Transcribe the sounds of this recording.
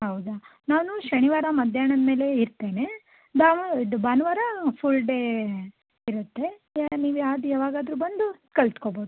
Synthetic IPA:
ɦɐwd̪unaːnuʃɐɳiʋaːɾɐmɐd̪ʱjaːɳɐd̪me̞ːle̞iɾt̪e̞ːne̞ | d̪aːʋuid̪ubaːnɐʋaːɾɐpʰulɖe | iɾut̪ːe̞niːʋuaːd̪uaːʋaːɡaːd̪ɾuːbɐnd̪u | kɐɭt̪koboːd̪u

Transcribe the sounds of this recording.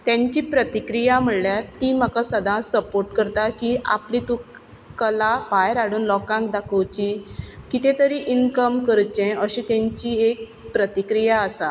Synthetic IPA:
t̪jãɲt͡ɕiːpɾət̪ikɾijam̤əɽljaɾt̪im̤akasəd̪ʱãsəpoɾʈkəɾt̪akia̰plit̪ũ | kəlapajɾaɽuːnlɔkãŋkd̪akʰəwt͡ɕikit̪ẽt̪əɾiʔinkəmkəɾt͡ɕɛ̃əɕĩt̪ãɲt͡ɕiːek̚ | pɾət̪ikɾijaəsa

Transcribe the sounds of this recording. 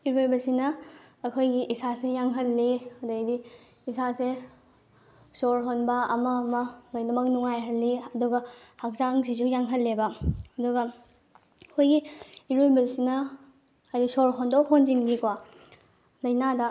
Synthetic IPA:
iɾojbɐlsinɐːkʰojɡiʔisasejaŋɦɐlːiɐdɐjdiː | sase | soɾɦonbɐɐmɐmɐlojnɐmɐk̚nuŋajɦɐlːiɐduɡɐhak̚zaŋs̬izujaŋɦɐlːebɐɐduɡɐ | kʰojɡiiɾojbɐlsinɐ | ajdisoɾɦondowɦonzinɡikwa | lɐjnadɐ

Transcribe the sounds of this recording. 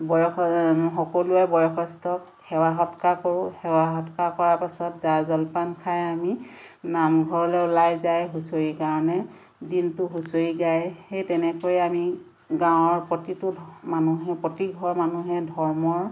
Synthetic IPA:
bɔjɔxɔkoluɛbɔjɔkʰɔstɔk | xɛwaɦɔtkakoɹʊhɛwaɦɔtkakɔɹapasɔtzazɔlpankʰajaminamɡʱɔɹɔlɛʊlajzajɦusojikaɹɔnɛ | dintʊɦusojiɡajhejtɛnɛkojiami | ɡãwʊ̃ɔɹpɹɔtitʊmanuɦɛpɹɔtiɡʱɔɹmanuɦɛdʱɔɹmɔɹ

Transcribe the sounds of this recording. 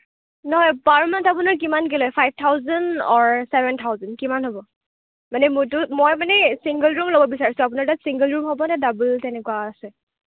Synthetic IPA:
nɔɦɔjpaɹmantap̬ʊnaɹk̬imank̬ɛlɔjpʰajb̚tʰawzandɔɹsɛbɛntʰawzandkimanɦobɔ | manɛmʊtʊmojmanɛsiŋɡəlɹumlobɔbisaɹisʊ̃ap̬ʊnaɹtatsiŋɡəlɹumɦɔbɔnɛdabultɛnɛkuwaːsɛ

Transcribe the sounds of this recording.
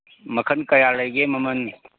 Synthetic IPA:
mɐkʰənkɐjaːləɡemɐmən

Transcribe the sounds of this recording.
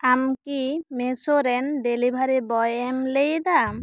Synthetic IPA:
amkimesoɾɛnɖelibʱaɾibɔjemlejd̪a

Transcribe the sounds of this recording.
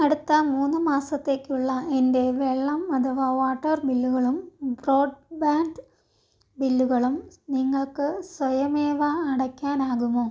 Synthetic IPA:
ɐɽut̪ːɐmuːnːɨmaːsɐt̪ːe̞ːkːuɭːɐende̞ʋeɭːɐmɐt̪ʰɐʋaːʋaːʈːɐrbilːuɣɐɭumbro̞ːɖbaːnd | bilːuɣɐɭumniŋːɐɭkɨsʋɐjɐmeːʋaɐɽɐkʲːaːnaːɣumoː

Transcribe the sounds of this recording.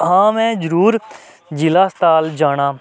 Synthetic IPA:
ɦãːmɛ̃ːd͡ʒəɾuːɾ | d͡ʒɪlaːst̪aːld͡ʒaːɽ̃aː

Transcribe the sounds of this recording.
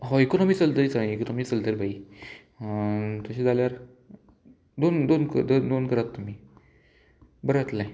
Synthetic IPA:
ɦɔekonomiːt͡səld̪əɾit͡sãekonomiːt͡səld̪əɾibʱai | t̪əɕẽd͡zaljaɾ | d̪ond̪onkəd̪d̪onkəɾat̪ːum̤iː | bəɾat̪laj

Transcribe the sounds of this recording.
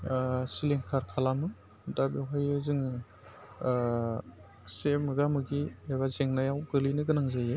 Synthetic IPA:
siliŋkʰaɾkʰalamɯ | dabeɦɔjɯzɯŋɯ | semɯɡamɯɡieβazeŋnajawɡɯlinɯɡɯnaŋzajɯ

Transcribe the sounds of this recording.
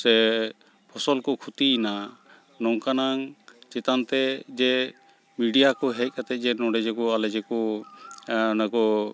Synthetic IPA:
sɛ | pʰɔsɔlkɔkʰut̪ina | nɔŋkanaŋt͡ʃɛt̪ant̪ɛd͡ʒɛ | miɖijakɔɦɛc̚kʰat̪ɛc̚ˀd͡ʒɛnɔɖɛd͡ʒɛkɔalɛd͡ʒɛkɔ | nakɔ

